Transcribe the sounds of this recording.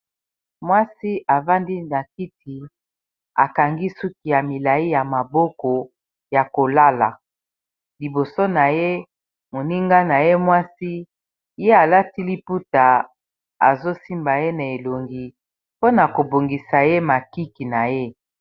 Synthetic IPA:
mwa˦si˦ʔa˨va˦ndi˦na˨ki˦ti˨ | a̰˨ka˨ŋɡi˦su˦ki˨ja˨mi˨la˨i˦ja˨ma˨bɔ˦kɔ˨ | ja˨ko˨la˦la˨ | li˨bo˨so˦na˨je˦ | mo˨ni˦ŋɡa˦na˨je˦mwa˦si˦ | je˦a˨la˦ti˦li˦pu˦ta˨ | a̰˨zo˦si˦mba˨je˦na˨e˨lo˨ŋɡi˨ | po˦na˨ko˨bo˨ŋɡi˨sa˨je˦ma˨ki˦ki˨na˨je˦

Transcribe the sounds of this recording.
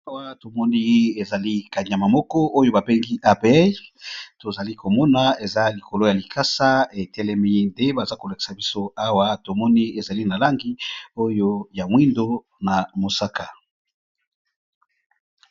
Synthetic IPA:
a˦wa˦to˨mɔ˦ni˦e˨za˨li˦ka˨ɲ˨a˨ma˨mɔ˦kɔ˦ʔo˦jo˦ba˨bɛ˦ŋɡi˦ʔa˦˨bɛ˦ | to˨za˨li˦ko˨mɔ˦na˨e˨za˦li˨ko˨lo˦ja˨li˨kʰa˦sa˦e˨tɛ˦lɛ˦mi˦nde˦ba˨za˦ko˨la˨ki̥˨sa˨bi˦so˦a˦wa˦to˨mɔ˦ni˦e˨za˨li˦na˨la˦ŋɡi˦o˦jo˦ja˨mwi˦ndo˦ | na˨mo˨sa˦ka˨

